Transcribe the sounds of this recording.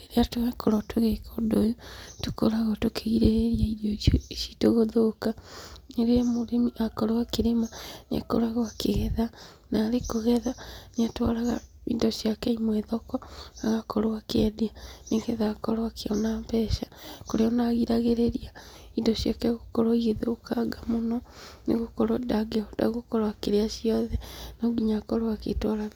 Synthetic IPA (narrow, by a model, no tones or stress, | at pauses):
eɾeatoɣɛkoɾɔtoɣekodojotoko̰ɾaɣɔtokʰeɣiɾeeɾiaidjositoɣoðokaneɾeamoɾemiʔakɔɾoakeɾemana̰ko̰ɾaɣoakeɣɛða | naːɾekoɣɛðaneatwaɾaɣa̰ḭndɔʃiakɛimwɛðɔkɔaɣakɔɾowakedeaneɡeðakɔɾwakeɔnampɛʃakoɾeɔnaɣiɾaɣeɾeɾiaidɔʃjakɛɣokɔɾoiɣeðokaɡamonɔnḛɣokɔɾodaɡeɔda̰ɣokɔɾwakeɾeaʃiɔðɛnɔɡiɲakɔɾwakḛtwaɾa